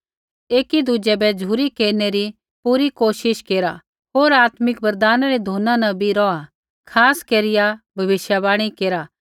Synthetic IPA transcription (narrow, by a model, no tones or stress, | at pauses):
eːkid̪ud͡ʒɛbɛd͡ʒʱuːɾikeːɾneɾi | puːɾikoːʃɪʃkeːɾa̰ | ɦoːɾaːt̪mɪkbɐɾd̪aːnaɾed̪ʱoːnãnɐ̃bʱiɾɔa | kʰaːskeːɾɪjabʱɐʋɪʃjabaːɽ̃ikeːɾa